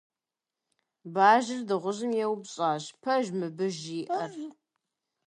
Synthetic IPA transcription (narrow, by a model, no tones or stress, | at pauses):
baːʒɪrdɨʁʷʊʑɨmjɛwbɕʼaːʑpʰɐʒmɨbɨʒiːʔɐr